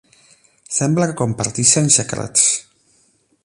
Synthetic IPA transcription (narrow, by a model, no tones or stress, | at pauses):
sɛmbləkəkompaɾt̪iʃensəkɾa̰t̪s